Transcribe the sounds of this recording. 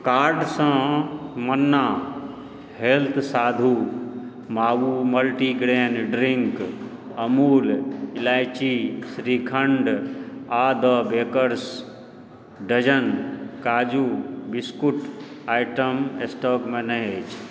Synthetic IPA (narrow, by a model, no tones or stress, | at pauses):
kaːɾɖsə̃mənːa | helt̪ʰsaːd̪ʱu | maːʋuməlʈiɡɾeːnɖɾiŋk | əmuːlilaːjt͡ʃisɾikʰəɳɖad̪əbeːkəɾs | ɖəd͡ʒənkaːd͡ʒubiskuʈaːjʈəmesʈɔːkmẽnəɦet͡ʃʰ